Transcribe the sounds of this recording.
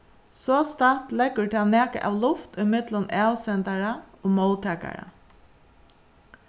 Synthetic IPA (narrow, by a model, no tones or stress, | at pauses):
sɔst̪art̪lɛkːʊɹt̪ʰaːnæːkə̰ʔa̰ʋlʊft̪ʊjmɪt̪lʊnʔæːwsɛnt̪aɹaoːmɔlt̪ʰɛːka̰ɹa̰